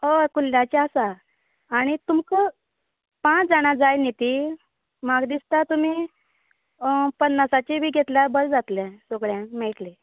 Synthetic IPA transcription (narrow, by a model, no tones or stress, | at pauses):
okulːat͡ɕiasaː | ɽ̃it̪umkə | pãt͡sd͡zaɽ̃ad͡zajnet̪i | maɡd̪ist̪at̪um̤i | pənːasat͡ɕibʱiːɡʱet̪ljabəɾd͡zat̪lɛ̃soɡɭjɛ̃mɛɭʈle